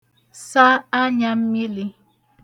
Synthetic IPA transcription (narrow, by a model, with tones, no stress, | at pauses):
sa˦a˦ɲa˦m̩˦mi˦li˦